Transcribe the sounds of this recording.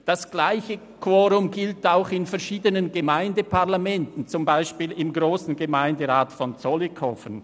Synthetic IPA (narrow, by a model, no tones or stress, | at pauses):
d̥asɡ̥laɪçə | kʰwɔːʁʊmɡɪltaʊxɪnfɛɐʃiːdənənɡəmaɪndəpʰaʁlamɛntn̩t͡sʊmbaɪʃpiːlɪmɡʁoːsn̩ɡəmaɪndəʁaːtfɔnt͡sɔlikʰɔfən